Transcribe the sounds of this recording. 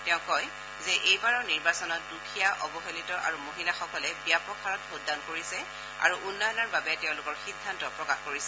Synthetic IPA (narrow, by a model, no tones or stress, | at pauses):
tɛʊ̃kɔj | zɛʔejbaɹɔʊniɹbasɔnɔt̚dukʰijaʔɔbɔxelitɔʔa̰ɹumoɦilaxɔkɔlɛbijapɔkʰaɹɔtxodːankoɹisɛ | a̰ɹuʔunːɔjɔnɔɹbabɛtɛʊ̃lʊkɔɹxidʱːantɔpɹɔkaxkoɹisɛ